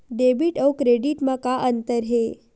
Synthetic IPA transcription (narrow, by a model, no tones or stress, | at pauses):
ɖebiʈəwkɾeɖiʈmãkaʔənt̪əɾɦe